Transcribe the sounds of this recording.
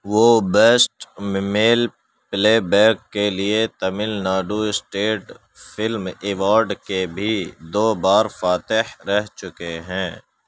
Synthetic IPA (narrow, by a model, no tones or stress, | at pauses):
ʋoːbɛːsʈmɪmeːl | pleːbɛːkkːeliet̪ɐmɪlnaːɖuɪsʈeːʈ | fʰɪlmɪʋaːɾɖkebʱid̪oːbaːɾfaːt̪ɪhɾɛɦt͡ʃʊkeɦɛ̃ː